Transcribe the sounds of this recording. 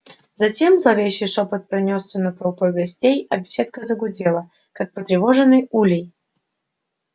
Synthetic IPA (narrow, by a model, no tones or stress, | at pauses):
zɐtʲe̞mzlˠɐvʲejɕːɪjʂopət̪̚pɾɐnʲosːʲənət̪ɐlˠpo̞jɡɐsʲtʲejɐbʲɪsʲe̞t̪̚kəzəɡʊdʲelˠə | kak̚pət̪ɾʲɪvoʐɨnːɨjulʲɪj